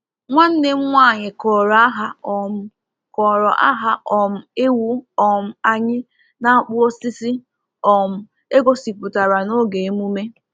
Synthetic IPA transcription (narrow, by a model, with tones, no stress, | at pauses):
ŋʷa˦n̩˦ne˦m̩˦ŋʷaː˦˨ɲɪ˨kɔː˨ɾɔ˨a˦ɦa˦ɔ˨m̩˦ | kɔ˨ɾɔ˨ʔa̰˦ɦa˦ʔɔ˨m̩˨e˦wu˦ɔ˨m̩˨a˨ɲɪ˦ | na˦a˦k͡pʊ˦o˦si˦si˦ | ɔ˨m̩˦ | e˦ɡo˨si˨pʊ˨ta˨ɾa˨no˦ɡe˨˦mu˦me˦